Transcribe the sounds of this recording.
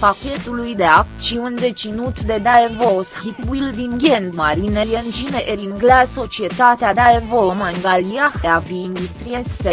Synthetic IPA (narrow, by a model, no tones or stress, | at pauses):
pakʲe̞t̪ulujd̪eakt̪ʃiund̪e̞t͡ʃinut̪d̪e̞d̪aevoshit̪bild̪inɡʲend̪maɾinejend͡ʒineʔeɾiŋɡleaso̞t͡ʃie̞t̪at̪ead̪aevomaŋɡaliaxeaviind̪ust̪ɾiese